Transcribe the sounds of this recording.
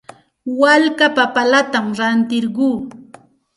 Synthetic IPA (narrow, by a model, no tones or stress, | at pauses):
walkapapalat̪amɾant̪ɪɾɢuː